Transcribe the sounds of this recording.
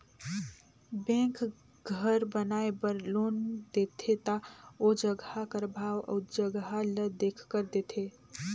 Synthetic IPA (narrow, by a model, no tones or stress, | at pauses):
bẽŋk | ɡʱəɾbənaebəɾlond̪et̪ʰet̪aod͡ʒəɡhakəɾbʱaʋə̰d͡ʒəɡɦaləd̪ekʰkəɾd̪et̪ʰe